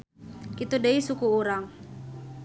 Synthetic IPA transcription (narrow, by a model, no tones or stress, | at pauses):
kit̪udeisukuuɾaŋ